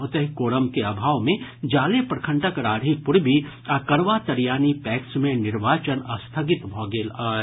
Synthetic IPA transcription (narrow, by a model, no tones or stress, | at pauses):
ot̪ɐɦikoːɾəmkeabʱaːʋmẽd͡ʒaːlepɾəkʰə̃ɳʈəkɾaːɽʱipʊɾbʱi | akɐɾʋat̪ɐɾjaːnipɛːksmẽnɪɾʋaːt͡ʃənɐst̪ʰəɡɪt̪bʱɔːɡeːl